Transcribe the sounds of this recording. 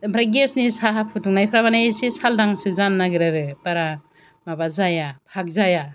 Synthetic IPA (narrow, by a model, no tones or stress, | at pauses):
mpʰɾaɡesnisaapʰɯtuŋnajpʰɾaβanasesaldaŋsɯzanːaɡɯɾaɾɯpaɾa | mabazajapʰak̚zaja